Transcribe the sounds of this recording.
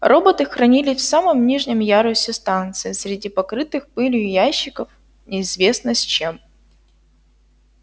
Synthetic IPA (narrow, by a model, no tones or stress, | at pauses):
rʔo̞bət̪ɨxɾɐnʲilʲɪfsaməmnʲiʐnʲɪmjaɾʊsʲɪst̪ant̪sɨɪsɾʲɪdʲipɐkɾɨt̪ɨxpɨlʲjʊjæɕːɪkəf | nʲɪːzvʲe̞snɨsʲt͡ɕe̞m